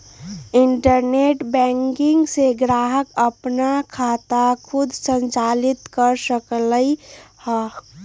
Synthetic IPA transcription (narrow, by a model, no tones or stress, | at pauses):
ɪɳʈəɾneʈbɛ̃ŋkɪ̃ŋɡseɡɾaɦəkəpnakʰat̪akʰud̪ʱsə̃nt͡ʃalit̪kəɾsəkləihə